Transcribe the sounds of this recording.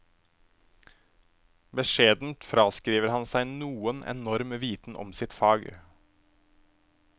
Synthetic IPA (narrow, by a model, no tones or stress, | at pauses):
bəʃeːd̪n̩t̪fɾɑːskɾiːʋəɾhɑnsæɪnuːənʔɛ̰nɔɾmʋiːt̪n̩ʔɔ̰msɪt̪fɑːɡ